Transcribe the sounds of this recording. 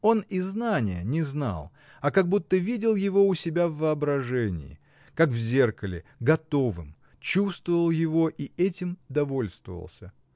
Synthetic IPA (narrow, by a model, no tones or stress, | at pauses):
o̞niznanʲɪjənʲɪzna̰lˠ | ɐkɐɡ̚but̪ːəvʲidʲɪlˠjɪvo̞ʊsʲɪbʲavːəɐbɾɐʐɛnʲɪ̰ɪ̰ | kakvzʲe̞rkəlʲɪ̰ɡɐt̪o̞vɨ̰m | t͡ɕust̪vəvəlˠjɪvo̞ʔiɛtʲɪmd̪ɐvo̞lʲst̪və̰və̰lˠsʲə